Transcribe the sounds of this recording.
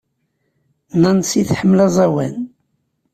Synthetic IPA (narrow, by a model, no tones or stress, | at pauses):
nænsiθħəmːlɑzˤæwæn